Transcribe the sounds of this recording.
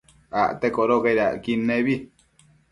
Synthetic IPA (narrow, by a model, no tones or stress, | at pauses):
aʔt̪ekoʔɾokajɾaʔkinːeβi